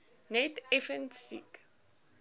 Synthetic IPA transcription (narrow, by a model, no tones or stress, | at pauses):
nɛtɛfəntsḭk